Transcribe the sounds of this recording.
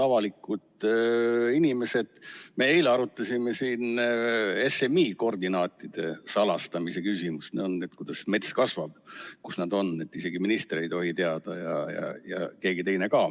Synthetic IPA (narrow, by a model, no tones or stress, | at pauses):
ɑvɑlikːut̪ | inime̞se̞d̪̥me̞ejleɑɾut̪ːˑɑsʲimesiːn | e̞se̞miːko̞rd̪inɑːt̪ːˑid̪̥e̞sɑlɑst̪ɑmise̞kysimust̪neonːet̪kujd̪̥ɑsme̞t̪skɑsvɑb̥̚kusnɑd̪o̞nːet̪ːˑise̞ɡiminist̪ɾe̞jt̪o̞ɦit̪eɑd̪̥ɑjɑ̰jɑ̰jɑ̰ke̞ːɡ̥it̪e̞jnekɑː